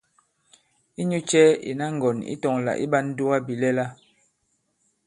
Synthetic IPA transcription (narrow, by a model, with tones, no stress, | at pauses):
i˦ɲu˦t͡ʃɛ˦ḭ˨na˦ŋ̩˨ɡɔ˨nḭ˦tɔ˨ŋla̰˨ʔḭ˦ba˦n˦du˦wa˦bi˨lɛ˦la˦